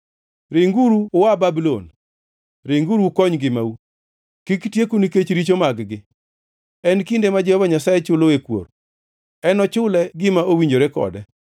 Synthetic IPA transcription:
ɾeŋɡuɾuwababilon | ɾeŋɡuɾukɔɲɡɪmau | kiktjekuniket͡ʃɾit͡ʃomaɡɡɪ | ɛnkindemad͡ʒɛhɔvaɲasajet͡ʃʊloekwo̰ɾ | ɛnɔt͡ʃʊlɛɡɪmaowiɲd͡ʒoɾekɔ̰dɛ

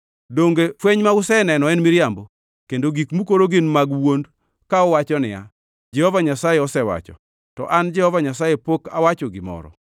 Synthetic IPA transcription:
doŋɡefweɲmaʊsɛnɛnɔɛnmɪɾjambo | kendoɡikmukoɾoɡɪnmaɡwond | kaɔwat͡ʃɔnɪ̰ja̰ | d͡ʒɛhɔvaɲasajeɔsɛwa̰t͡ʃɔ̰ | tɔ̰ʔand͡ʒɛhɔvaɲasajepoka̰wat͡ʃɔɡɪmɔ̰ɾɔ̰

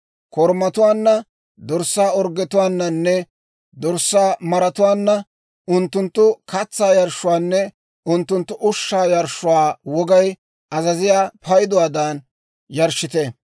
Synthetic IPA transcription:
kɔɾmɐt̪ʊwaːnːɐ | d̪ɔɾsːaːɔɾɡːɛt̪ʊwaːnːɐnːɛ | d̪ɔɾsːaːmɐɾɐt̪ʊwaːnːɐ | ʊnt̪ːʊnt̪ːʊkɐt͡sːaːjɐɾʃːʊwaːnːɛ | ʊnt̪ːʊnt̪ːʊʔʊʃːaːjɐɾʃʊwaːwɔɡɐj | ʔɐzɐzɪjaːpɐjd̪ʊwaːd̪ɐn | jɐɾʃːɪt̪ɛ

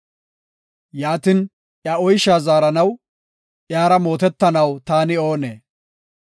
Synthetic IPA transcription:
jaːt̪ɪn | ʔjɐɔjʃaːzaːɾɐnɐw | ʔjaːɾɐmo̞ːt̪ɛt̪ːɐnɐwt̪aːnɪo̞ːnḛː

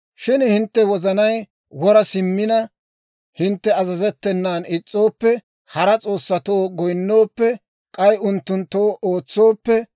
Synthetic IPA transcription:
ʃɪnhɪnt̪ːɛwɔzɐnɐj | wɔɾɐsɪmːɪnɐ | hɪnt̪ːɛɐzɐzɛt̪ːɛnːaːnɪt͡sʼːo̞ːpːɛ | hɐɾɐt͡sʼo̞ːsːɐt̪o̞ːɡɔjnːo̞ːpːɛ | kʼɐjʊnt̪ːʊnt̪ːo̞ːʔoːt͡sːo̞ːpːɛ

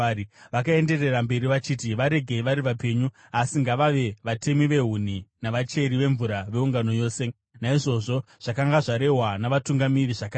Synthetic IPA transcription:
iʋakae̞nde̞re̞rambe̞ɾiʋat͡ʃiːtiʋaɾe̞ɡʱeʋaɾiʋape̞ɲu | asiŋɡaʋaʋe̞ʋate̞miʋe̞ɦun̤inaʋat͡ʃe̞ɾiʋe̞ɱvuɾaʋe̞uŋɡano̞jo̞ːse̞ | naiʐo̞ʐo̞ʐ̥akaŋɡaʐaɾe̞ɦwanaʋatuŋɡamiriʐaka

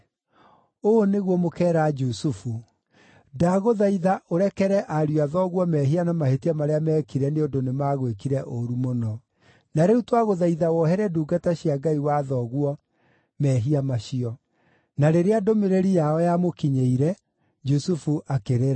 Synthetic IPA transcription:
oneɣwɔmokɛːɾad͡ʒusufu | daɣoðaiðaʔoɾɛkɛɾɛʔaɾjuaðɔɣwɔmɛɦianamahetiamaɾeamɛːkiɾɛneondonemaɣwekiɾɛʔoɾumonɔ | naɾeutwaɣoðaiðawɔɦɛɾɛduːɡataɕiaɡaiwaðɔɣwɔ | mɛɦiamaɕiɔ | naɾeɾeadomeɾeɾijaɔjamokiɲeiɾɛ | d͡ʒusufuʔakeɾeɾa

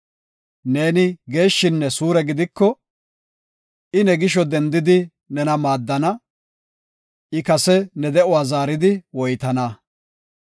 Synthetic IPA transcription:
ne̞ːnɪɡe̞ːʃːɪnːɛsuːɾɛɡɪd̪ɪkːɔ | ʔɪnɛɡɪʃɔd̪ɛnd̪ɪd̪ɪ | nɛnɐmaːd̪ːɐnɐ | ʔɪkɐsɛnɛd̪ɛʔʊwaːzaːɾɪd̪ɪwɔjt̪ɐnɐ

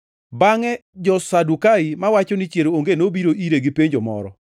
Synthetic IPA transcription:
baŋɛd͡ʒɔsadukaimawat͡ʃɔnit͡ʃjeɾooŋɡenobiɾoʔiɾeɡipeɲd͡ʒɔmɔ̰ɾɔ

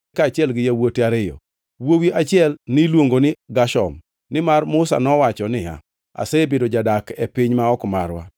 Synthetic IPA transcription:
kaːt͡ʃɪɛlɡɪjawoteaɾɪjɔ̰ | wowiʔat͡ʃɪɛlnɪlwoŋɡonɪɡaʃɔ̰m | nɪmarmʊsa̰nɔwat͡ʃɔnɪa̰ | a̰sebɪdɔd͡ʒadakɛpɪɲmaɔkmaɾwa̰

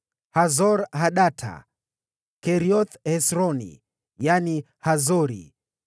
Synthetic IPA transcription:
hazɔɾɦaɗatʰa̰ | kɛɾiɔt̪hɛsɾɔnḭ | jani | hazɔɾḭ

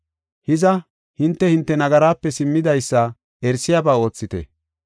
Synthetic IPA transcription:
hɪzɐ | hɪnt̪ːɛhɪnt̪ːɛnɐɡɐɾaːpːɛsɪmːɪd̪ɐjsːɐ | ɛɾsɪjaːbaːo̞ːt͡sːɪt̪ɛ̰

